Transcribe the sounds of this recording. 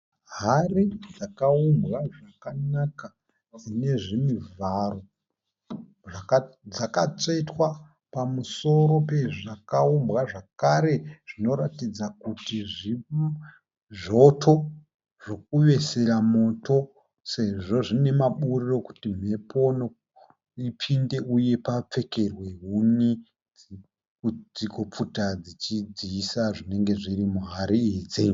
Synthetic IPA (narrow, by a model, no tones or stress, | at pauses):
ɦarid͡zakaumbɣaʐakanaka | d͡zine̞ʐimivaro̞ | ʐakd͡zakat͡setwa | pamuso̞ɾo̞pe̞ʐakaumbɣaʐakaɾe̞ʐ̥ino̞ɾatid͡zakutiʐi | ʐo̞tʰo̞ | ʐ̥o̞k̚uʋe̞se̞ɾamo̞to̞ | se̞ʐo̞ʐine̞maɓuriro̞ku̥tim̤e̞po̞no | ipʰinde̞uje̞pap͡fe̞ke̞rweɦuni | kd͡ziko̞p͡futad͡zit͡ʃid͡ziisaʐine̞ŋɡe̞ʐiɾimuɦaɾiiːd͡zi